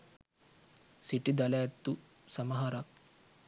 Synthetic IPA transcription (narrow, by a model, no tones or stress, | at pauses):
siʈid̪ɐlɐjɐt̪ːu | sɐmɐɦɐɾɐk̚